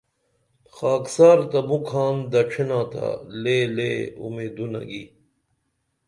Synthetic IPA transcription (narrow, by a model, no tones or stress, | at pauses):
xaːksaːɾt̪ɐmukʰaːnd̪ɐʈ͡ʂʰinãːt̪ʰa̰leleṵmeːd̪unɐ̰ɡḭ